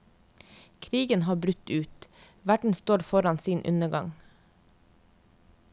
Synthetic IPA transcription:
kʰɾiːɡənhɑːbɾʉt̪ʉːt̪ | ʋæɖɳ̩st̪oːɾfɔɾɑnsiːnʔʉ̰nəɡɑ̰ŋ

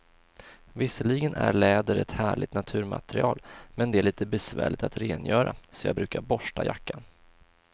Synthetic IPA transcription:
vɪsəliɡənʔæɾɭɛːd̪əɾɛt̪hæːɭɪt̪nat̪ʰʉ̟ːɾma̰t̪ɾɪɑːlmɛnd̪ɛæɭiːt̪əbɛsvæ̰ːɭɪt̪at̪ɾeːnjœːɾasɔjɑːɡbɾʉ̟ːkaɾbɔʂʈajakːan

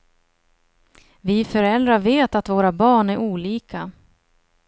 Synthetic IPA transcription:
vɪfœɾɛld̪ɾaveːt̪at̪voːɾabɑːɳæɾʔuːliːka

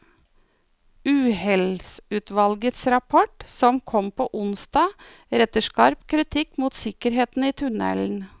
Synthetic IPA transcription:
ʉːhɛlsʉːt̪ʋɑlɡət̪sɾɑpʰɔʈsɔmkʰɔmpʰoːʔʊnsd̪ɑː | ɾɛt̪əʂkɑɾpkʰɾɪt̪ʰɪkːmuːt̪sɪkəɾɦeːt̪n̩iːt̪ʰʉnɛ̰ln̩

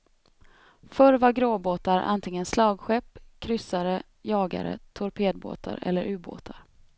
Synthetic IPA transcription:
fœɾvaɾɡɾoːboːt̪aɾʔa̰nt̪ʰɪŋːənslɑːɡɧɛpːkʰɾʏsaɾə | jɑːɡa̰ɾə̰t̪ʰʊɾpʰeːd̪̚bo̰ːt̪ʰa̰ɾɛ̰lːəɾʔʉ̟ːbo̰ːt̪ʰaɾ

